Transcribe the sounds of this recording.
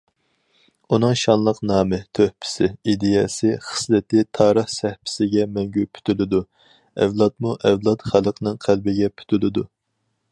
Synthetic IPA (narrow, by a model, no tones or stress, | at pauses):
unɨŋʃɑnlˠəqnɑːmɪt̪ʰøhpʰɪ̥sɪid̪ɪjɛsɪχə̥slɪt̪ɪt̪ʰɑːɾəχsɛhpʰɪ̥sɪɡʲɛmɛŋɡʲypʰy̥t̪ʰylɪd̪u | ɛ̰vlˠɑt̪̚muʔɛvlˠɑt̪χælˠəqʰənɨŋqʰælbɪɡʲɛpʰy̥t̪ʰylɪd̪u